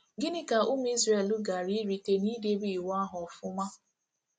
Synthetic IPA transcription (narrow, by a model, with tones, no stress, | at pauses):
ɡɪ˦nɪ˦ka˨ʊ˦m˦i˦zɾe˦˨lu˦ɡa˨ɾi˦ɾi˨te˦niː˦de˦bi˨wa˦ɦɔ˨fʊ˦ma˦